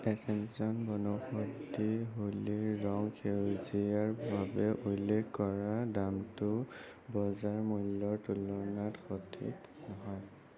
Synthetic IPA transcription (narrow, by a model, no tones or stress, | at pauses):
ɛsɛnzɔnbɔnɔxɔdiɦoliɹɹɔŋkʰeɹoziaɹbʱabɛʔulːekkɔɹadamtʊ | bɔzaɹmulːɔɹtulɔnatxotʰḭknɔɦɔj